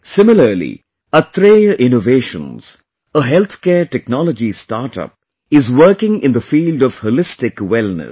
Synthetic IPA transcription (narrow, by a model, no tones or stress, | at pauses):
sɪmɪləlḭ | ət̪ʰɾeəʔɪnoʋeːʃə̰̃nz̥ | əɦɛlt̪ʰkɛːʈɛknɔləd͡ʒistaːʈʌ̰p̚ | ɪzwəːkɪ̃ŋɪ̃nd̪əfiːlɖɔʋholɪstɪkwɛlnə̰s